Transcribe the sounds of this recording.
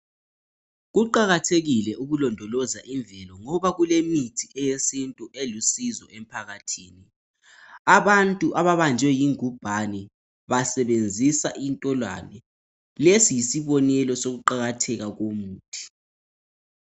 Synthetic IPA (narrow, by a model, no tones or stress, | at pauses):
ɣuǃaɣatʰeɣilɛʔuɣulɔndʱɔlɔzaʔiɱbvʱɛlɔŋɔβaɣulemitʰiɛjesintʼuʔelusizɔ̰ɛm̩pʰaɣatʰiːni | aβantʼuʔaβaβand͡ʒʱwɛjiŋub̥ʱanɛ | βasɛβend͡zʱisaʔintʼɔlwa̰nɛ | lesijisiβɔnɛlɔsoɣuǃaɣatʰɛɣaɣomuːtʰi̥